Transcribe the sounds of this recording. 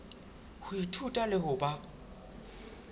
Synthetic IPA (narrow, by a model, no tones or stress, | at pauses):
hʊitʰutʼalɪhʊba